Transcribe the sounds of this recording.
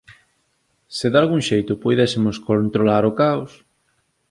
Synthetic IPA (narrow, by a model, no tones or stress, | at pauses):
sɪðalɣuŋʃejt̪ʊpujðɛsɪmʊskont̪ɾolaɾokaos